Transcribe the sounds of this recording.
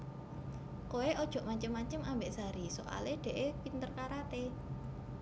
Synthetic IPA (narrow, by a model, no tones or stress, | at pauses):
koeʔɔd̥ʒ̥ɔ̤ʔmat͡ʃəmːat͡ʃəmambeʔsaɾisoka̰leɖ̥e̤ʔepint̪ərkaɾat̪e